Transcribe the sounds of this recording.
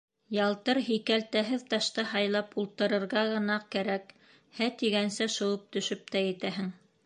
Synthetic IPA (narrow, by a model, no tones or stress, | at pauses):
jɑlˠt̪ɤɾɦikælt̪æɦɘðt̪ɑʃt̪ɑɦɑjlˠɑpulˠt̪ɤ̆ɾɤ̆ɾʁɑʁɤ̆nɑkæɾæk | hæt̪iɡænsæʃɤ̆wɤp̚t̪ɵ̆ʃɵp̚t̪æjɘ̆t̪æɦɘŋ